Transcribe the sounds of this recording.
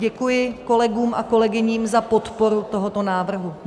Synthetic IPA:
ɛkujɪko̞lɛɡuːmʔako̞lɛɡɪɲiːmzapo̞t̪po̞ɾut̪o̞ɦot̪o̞naːvr̩ɦu

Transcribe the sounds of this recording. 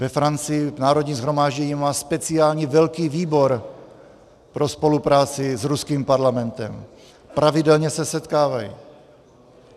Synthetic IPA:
vɛfɾant͡sɪjɪvnaːɾod̪ɲiːzɦɾo̞maːʒɟɛɲimaːspɛt͡sɪaːlɲivɛlkiːviːbo̞ɾ | pɾospo̞lupɾaːt͡sɪzɾuskiːmpaɾlamɛnt̪ɛm | pɾavɪdɛlɲɛsɛsɛt̪kaːvajḭ

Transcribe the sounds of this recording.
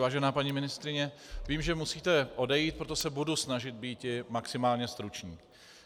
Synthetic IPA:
vaːʒɛnaːpaɲiːmɪnɪst̪ɾɪɲɛ | viːmʒɛmusiːt̪ɛʔo̞dɛjiːt̪̚pɾot̪osɛbudusnaʒɪt̪̚biːt̪ɪmaksɪmaːlɲɛst̪ɾut͡ʃɲḭː

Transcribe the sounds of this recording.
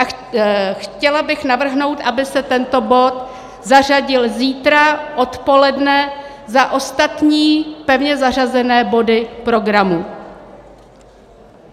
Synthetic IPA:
ʔa | xcɛlabɪxnavr̩ɦno̞wt̪ʔabɪsɛt̪ɛnt̪o̞bo̞t̪ | zar̝aɟɪlziːt̪ɾaʔo̞t̪po̞lɛdnɛ | zaʔo̞st̪at̪ɲiːpɛvɲɛzar̝azɛnɛːbo̞dɪpɾo̞ɡɾamu

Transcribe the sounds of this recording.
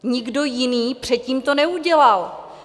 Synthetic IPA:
ɲɪɡdo̞jɪniːpr̝̥ɛt̪̚ciːmt̪onɛuɟɛlal

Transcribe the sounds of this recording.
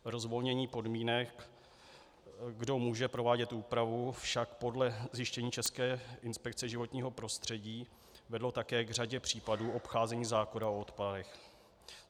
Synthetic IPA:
ɾo̞zvo̞lɲɛɲiːpo̞dmiːnɛk | ɡdo̞muːʒɛpɾo̞vaːɟɛt̪ʔuːpɾavufʃakpo̞dlɛzjɪʃcɛɲiːt͡ʃɛskɛːɪnspɛk̚t͡sɛʒɪvo̞t̪ɲiːɦo̞pɾo̞st̪r̝̥ɛɟiː | vɛdlo̞t̪akɛːɡr̝aɟɛpr̝̥iːpaduːʔo̞pxaːzɛɲiːzaːkonao̞ot̪padɛx

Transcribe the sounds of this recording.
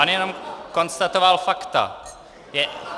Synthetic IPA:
anjɛnomko̞nst̪at̪ovalfakt̪a̰ | jɛ

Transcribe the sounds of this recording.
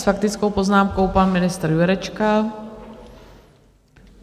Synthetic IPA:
sfakt̪ɪt͡skowpoznaːmko̞wpanmɪnɪst̪ɾjuɾɛt͡ʃka

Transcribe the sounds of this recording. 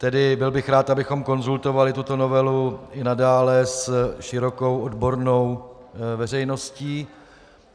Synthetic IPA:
t̪ɛdɪbɪlbɪxɾaːt̪ʔabɪxo̞mko̞nzult̪o̞valɪt̪ut̪o̞no̞vɛluɪnadaːlɛsʃɪɾo̞ko̞wʔodbo̞ɾno̞wvɛr̝ɛjno̞sciː

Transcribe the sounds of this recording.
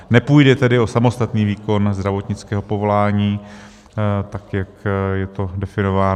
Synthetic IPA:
nɛpujdɛt̪ɛdɪo̞samo̞st̪at̪niːviːko̞nzd̪ɾavo̞t̪ɲɪt͡skɛːɦo̞po̞vo̞laːɲiː | t̪akjakjɛt̪o̞dɛfɪno̞vaː

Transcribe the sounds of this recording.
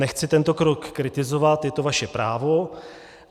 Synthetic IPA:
ɛxt͡sɪt̪ɛnt̪o̞kɾokːɾɪt̪ɪzo̞vat̪jɛt̪o̞vaʃɛpɾaːvo̞

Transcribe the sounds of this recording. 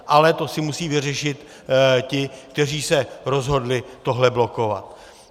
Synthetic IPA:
ʔalɛt̪o̞sɪmusiːvɪrɛʃɪt̪ | cɪk̚t̪ɛriːsɛɾo̞zɦo̞dlɪt̪o̞ɦlɛblo̞ko̞va̰t̪̚

